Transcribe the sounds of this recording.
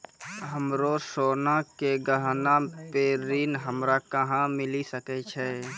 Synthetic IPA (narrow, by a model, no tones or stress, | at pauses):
ɦəmɾosoːnakeɡəɦnapeːɾiːnɦəmɾakəɦãmɪlisəkɛt͡ʃʰɛ